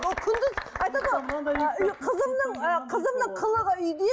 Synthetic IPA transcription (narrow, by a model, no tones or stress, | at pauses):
kʲʰʏnd̪ɪzɑjt̪ɑd̪əʁo | qʰəzəmnəɴqʰəzəmnəɴqʰəlˠəʁəʏjd̪e